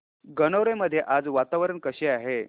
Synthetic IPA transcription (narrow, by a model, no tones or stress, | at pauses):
ɡənəʋɾeməd̪ʱːjeʔad͡zʋat̪aʋəɾənkəɕeaɦe